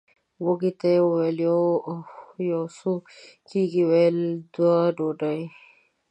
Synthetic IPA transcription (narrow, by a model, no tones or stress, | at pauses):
woɡit̪ajweljo | josukiɡiweld̪waɖoɖaj